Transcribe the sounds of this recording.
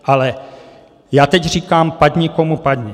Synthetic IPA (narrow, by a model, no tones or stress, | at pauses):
ʔalɛ | jaːt̪ɛcr̝iːkaːmpaɟɲɪkomupaɟɲɪ